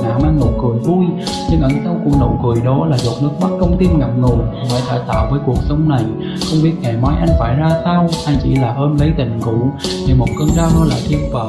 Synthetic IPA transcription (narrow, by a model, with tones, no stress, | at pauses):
naː˧˩mʔa˧jŋ̟no˨˩kɨ˨˩əjvu˧j | ɲɨ˧ŋʔə˧˩ŋsa˧wkʊ̰˧˥ŋ͡mno̰˧˩jkɨ˨˩əjɗɔ˨˦laː˨˩zo˨˩t̚nɨ˦˥ək̚ma˦˥t̚kə˧wŋ͡mt̪i˧mŋa˨˩m̚ŋu˨˩əjva̰ː˧˩t̪ʰaː˧˩jt̪aː˧˨wvəː˨˦jku˨˩ək̚sə˨˦wŋ͡mna˨˩j | xə˧wŋ͡mɓi˦˥ət̚ŋɛ̰˨˩ma˨˦jʔa˧jŋ̟faː˧˩jzaː˧saː˧wʔa˧jŋt͡ɕḭ˧˩laː˨˩ʔəː˧nzə˨˦jt̪ï˧˨˩ŋ̟kṵ˧˩ | ɗe˨˩mo˨˩t̚kəː˧nzaː˧wnɔ˨˦la̰ː˧˨˩jt̪i˧əmfə̰ː˧˨˩